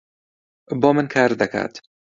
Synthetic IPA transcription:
bɔːmɨnkʰaɾd̪akʰa̰ːt̪

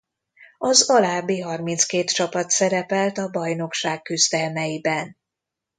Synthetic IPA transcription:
ɒzɒlaːbiɦɒrmint̪skeːt̪t͡ʃɒpɒt̪sɛɾɛpɛlt̪ɒbɒjno̞kʃaːkːyzd̪ɛlmɛjibɛn

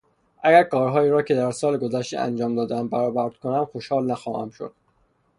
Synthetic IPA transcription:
ʔæɡæɾkɒːɾɦɒːjiːɾɒːcʰe̞d̪æɾsɒːleɡo̞zæʃt̪ḛæ̰nd͡ʒɒːmd̪ɒːd̪eæm̚bæɾɒːbæɾd̪̥̚konæmxo̞ʃhɒːlnæxɒːhæ̰mʃo̰d̪̥

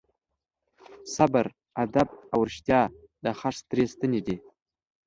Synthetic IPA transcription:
sabəɾ | ad̪abawɾʃt̪ʲjɑ | d̪̥əχast̪ɾest̪ənʲed̪e

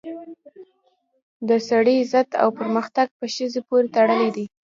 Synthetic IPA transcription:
d̪əsaɽizət̪a̰wpəɾməxt̪aɡ̚pəʃəzepoɾet̪aɽəlid̪i

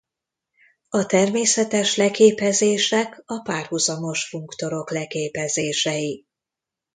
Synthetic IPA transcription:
ɒt̪ɛrmeːsɛt̪ɛʃlɛkeːpɛzeːʃɛkɒpaːrhuzɒmo̞ʃfuŋkt̪o̞ɾo̞klɛkeːpɛzeːʃɛji

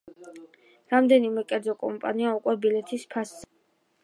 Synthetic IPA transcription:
ɾamd̪ɛnimɛkʼɛɾd̪zɔkʼɔmpʼa̰niaukʼwɛbilɛt̪ʰispʰasz̥ɛ

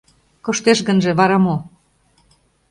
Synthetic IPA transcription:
kŏʃt̪eʃɣə̆nʒĕβɑɾɑmo

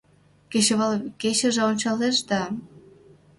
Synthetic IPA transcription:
keɕeβɑlket͡ɕə̆ʒĕonʲt͡ɕɑleʃd̪ɑ

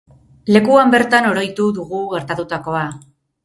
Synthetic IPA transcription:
le̞kuambe̞ɾt̪ano̞ɾo̞jt̪uðuɣuɣe̞ɾt̪at̪ut̪ako̞a

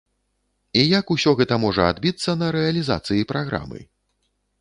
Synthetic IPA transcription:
ijɐkusʲɔɣɛt̪ɐmɔʐɐa̰d̪bʲit̪sːɐnɐɾɛɐlʲiza̰t̪sɨjipɾaɣɾa̰mɨ̰

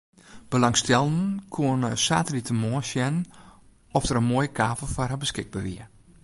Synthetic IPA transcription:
b̥əlɑŋstɛlˠdənkʰuənəsaːtəlitəmɔːsjɛnən | ɔfdəɾənmoːjəkʰaːvəlˠfɔrɦabəskɪɡ̚baʋiə

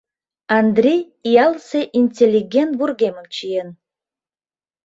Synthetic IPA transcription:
and̪rʲej | ijalseʔinʲtʰʲelʲːiɡʲent̪burɡʲemɨmt͡ʃʰijɛn

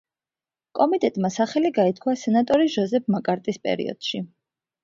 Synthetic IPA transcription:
kʼɔmit̪ʼɛt̪ʼmasaχɛliɡait̪kʰwasɛnat̪ʼɔɾiʒɔzɛp̚ʰmakʼaɾt̪ʼispʼɛ̰ɾḭɔ̰d̪̥ʃi

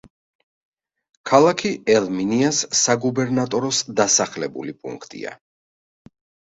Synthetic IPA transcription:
kʰalˠakʰiɛlˠminiasːaɡubɛɾnat̪ʼɔɾɔsd̪asaχlɛbṵlipʼṵŋkʰt̪ʼḭa̰

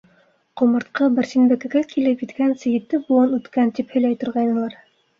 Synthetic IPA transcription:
qŏmɤ̆ɾt̪̚qɤbɘ̆ɾsinbækæ̆ɡækʰilɘpjɘ̆t̪kænsɘ̆jɘ̆t̪ːɘbuɤnʉt̪kænt̪iphɵ̆jlæjt̪ŏɾʁɑjnɤ̆lˠɑɾ

